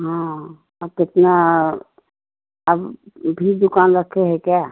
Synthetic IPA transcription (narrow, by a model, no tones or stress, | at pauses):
ɦã | əbkɪt̪na | əbbʱid̪ʊkaːnɾəkʰːeɦɛkjaː